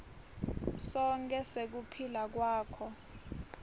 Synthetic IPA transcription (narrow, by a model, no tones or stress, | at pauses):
sɔŋkʼɛsek̬upʰilak̬waːkʰɔ